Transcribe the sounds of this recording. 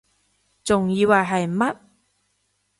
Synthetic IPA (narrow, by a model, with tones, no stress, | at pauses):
t͡sʊ˨ŋjiː˧waː˨˩jɦɐ˨jmɐ˥t̚